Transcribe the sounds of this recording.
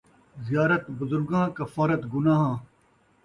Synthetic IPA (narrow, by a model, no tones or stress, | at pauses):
zijaːɾɐt̪bʊzʊɾɡãːkɐfaːɾɐt̪ɡʊnãːɦãː